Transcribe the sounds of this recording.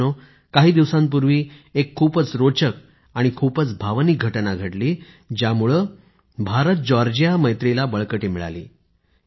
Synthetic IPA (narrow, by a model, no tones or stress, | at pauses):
o | kaɦiːd̪iʋsãmp̬uɾʋiːekʰːuːpət͡sɾot͡ɕək̚ | aɽ̃ikʰuːpət͡sbʱaʋnik̚ɡʱəʈnaɡʱəʈliː | d͡ʑjamuɭəː | bʱaɾət̪̚d͡ʑɔɾd͡ʑijaməjt̪ɾilabəɭkəʈiːmiɭa̰lḭː